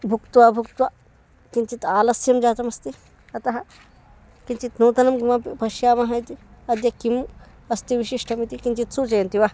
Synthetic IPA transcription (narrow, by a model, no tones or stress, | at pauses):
bʱukt̪uʋaːbʱukt̪uʋa | kint͡ʃit̪aːlɐsjɐmd͡ʒaːt̪ɐmɐst̪i | ɐt̪ɐɦɐ | kint͡ʃit̪nuːt̪ɐnɐmɡimɐpibɐʃjaːmɐɦɐjt̪iɐd̪jɐkim | ɐst̪iʋiʃiʂʈʰɐmit̪ikint͡ʃit̪sut͡ʃɐjɐnt̪iʋa